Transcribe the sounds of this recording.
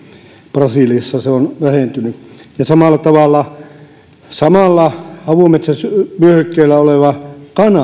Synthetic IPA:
prɑsiˑliɑsːɑseonʋæhent̪ynyjɑsɑmɑˑlːˑɑt̪ɑʋɑlːˑɑ | sɑmɑlːɑhɑʋumet̪sæsmyøhøkːeilːˑæoleˑʋɑkɑnɑ

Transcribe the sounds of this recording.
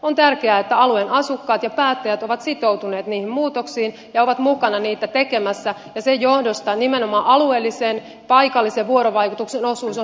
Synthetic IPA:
ont̪ærkeæːet̪ːæɑluenɑsukːɑːt̪jɑpæːt̪ːæjæt̪o̞ʋɑt̪sit̪o̞ut̪uneːt̪niːhimmuːt̪oksiːn | jɑo̞ʋɑt̪mukɑnɑniːt̪æt̪eke̞mæsːæjɑsejjohdost̪ɑnimenomɑːʔɑlueːlːisen | pɑjkɑlːiseʋʋuo̞ɾoʋɑjkut̪ukseno̞suːso

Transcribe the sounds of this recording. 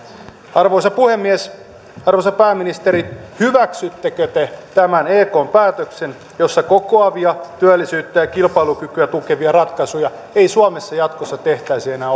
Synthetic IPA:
ɑrʋoisɑpuhemːies | ɑrʋoisɑpæːmːinist̪eɾit̪hyʋæksyt̪ːekøt̪et̪æmæneːkoːmpæːt̪øksen | jo̞sːɑkokoɑʋiɑt̪yælːisyːt̪ːæjɑkilpɑilukykyæt̪ukeʋiɑrɑt̪kɑsujɑ | eisuɑmesːɑjɑt̪kosːɑt̪e̞ht̪æisienæː

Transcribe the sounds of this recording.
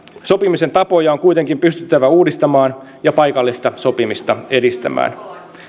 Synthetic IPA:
so̞pimise̞nt̪ɑpo̞jɑoŋkujt̪e̞ŋkimpyst̪yt̪ːæʋæuːdist̪ɑmɑːn | jɑpɑjkɑlːist̪ɑso̞pimist̪ɑe̞dist̪æ̰mæ̰ːn

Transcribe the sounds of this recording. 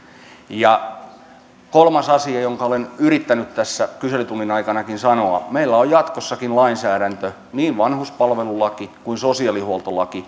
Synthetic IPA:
jɑ | kolmɑsɑsiɑjoŋkɑolenyrit̪ːænyt̪t̪æsːækyselyt̪unːinɑikɑnɑkinsɑnoɑmeilːæojjɑt̪kosːɑkinlɑinsæːɾænt̪ø | niːʋʋɑnhuspɑlʋelulɑkikuinsosiɑlihuolt̪olɑki

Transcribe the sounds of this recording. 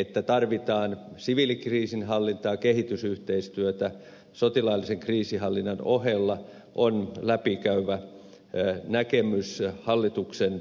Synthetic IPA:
et̪ːæt̪ɑrʋit̪ɑːnsiʋilikriːsinhɑlːint̪ɑːkehit̪ysyht̪eist̪yøt̪æ | sot̪ilɑilːiseŋkriːsihɑlːinːɑnohelːɑ | ʔonlæpikæyʋæ | nækemyshɑlːit̪uksen

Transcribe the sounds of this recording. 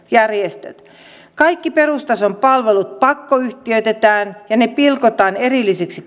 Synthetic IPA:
jærjest̪ø̰t̪ | kɑikːiperust̪ɑsompɑlʋelut̪̚pɑkːoyht̪iøyt̪et̪æːnjɑnepilkot̪ɑːnerilːiseksi

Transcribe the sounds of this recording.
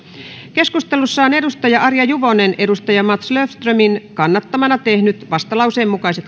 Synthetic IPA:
ke̞skust̪elusːɑone̞dust̪ɑjɑʔɑrjɑjuʋonenʔe̞dust̪ɑjɑmɑt̪sløfst̪røminkɑnːɑt̪ːɑmɑnɑt̪ehnyt̪ʋɑst̪ɑlɑuseːmːukɑiset̪

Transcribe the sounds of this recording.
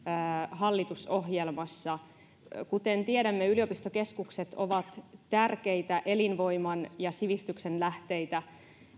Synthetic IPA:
ɦɑlːit̪uso̞ɦjelmɑsːɑ | kut̪ent̪ieɾæmːeyliopist̪oke̞skukset̪o̰ʋɑt̪t̪ærke̞it̪æʔe̞linʋo̞imɑnjɑsiʋist̪yksenlæht̪e̞jt̪æ

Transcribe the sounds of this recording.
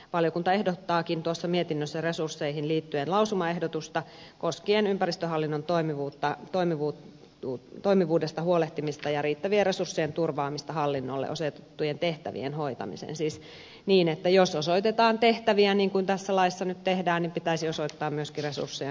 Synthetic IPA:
ʋɑljokunt̪ɑehdot̪ːɑːkint̪uosːɑmiet̪inːøsːæresursːeihinliːt̪ːyenlɑusumɑehdot̪ust̪ɑkoskienympærist̪øɦɑlːinːont̪oimiʋuːt̪ːɑt̪oimiʋuː | uːt̪oimiʋuːdest̪ɑhuoleht̪imist̪ɑjɑriːt̪ːæʋieresursːijent̪urʋɑːmist̪ɑhɑlːinːolːḛʔosot̪et̪ːujent̪eht̪æ̰ʋḭenhoit̪ɑ̰mḭsḛːnsiːs | niːnet̪ːæjososoit̪et̪ɑːnt̪eht̪æʋiæniːŋkunt̪æsːælɑisːɑnyt̪t̪ehdæːnnimpit̪æisiosoit̪ːɑːmmyøskiresṵrsːije

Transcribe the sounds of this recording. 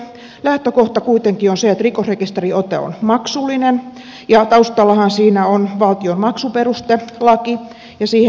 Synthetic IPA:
læht̪økoht̪ɑkuit̪eŋkionseet̪rikosrekist̪eriot̪ḛo̰nmɑksulːinen | jɑt̪ɑust̪ɑlːɑhɑnsiːnæonʋɑlt̪ionmɑksuperust̪elɑki | jɑsiːhe

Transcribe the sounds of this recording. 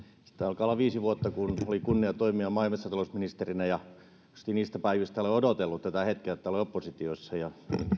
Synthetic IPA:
si̥t̪ːæɑlkɑlːɑʋiːsiʋuot̪ːɑkunolikunːiɑt̪oimiɑmɑilmesːɑt̪ɑlosminist̪erinæjɑ | ust̪iniːst̪æpæiʋist̪æoleodot̪elːut̪t̪æt̪æhet̪keet̪ːæoleopːosit̪ioisːɑjɑḭn

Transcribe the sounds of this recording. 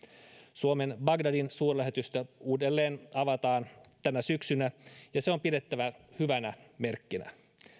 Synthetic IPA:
suomenbɑɡdɑdinsuːrlæɦet̪yst̪æuːdelːeːnɑʋɑt̪ɑːnt̪ænæsyksynæjɑseo̞mpidet̪ːæʋæhyʋænæmerkːinæ̰

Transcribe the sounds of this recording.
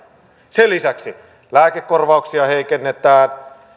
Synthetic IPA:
selːisæksi | læːkekːorʋɑuksiɑheikenːet̪æːn

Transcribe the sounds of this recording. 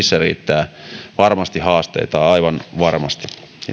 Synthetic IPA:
isːærḭːt̪ːæːʋɑrmɑst̪ihɑːst̪ḛit̪ɑːɑiʋɑnʋɑrmɑst̪i̥

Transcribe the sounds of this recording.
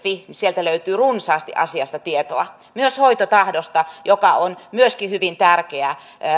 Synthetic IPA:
finisielt̪æløyt̪yːrunsɑːst̪ḭʔɑ̰siɑst̪ɑt̪iet̪oɑ | myøshoit̪ot̪ɑhdost̪ɑjokɑonmyøskihyʋint̪ærkeæ

